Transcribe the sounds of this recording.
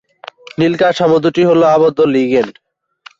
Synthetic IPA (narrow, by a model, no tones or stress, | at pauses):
nilkaʃɔmod̪ʱuʈiɦoloabod̪ʱːoliɡen